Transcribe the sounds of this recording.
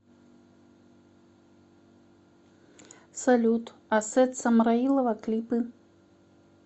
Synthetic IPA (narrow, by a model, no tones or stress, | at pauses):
salʲut̪asɛt̪sɐmɾailˠɐvɐklʲipɨ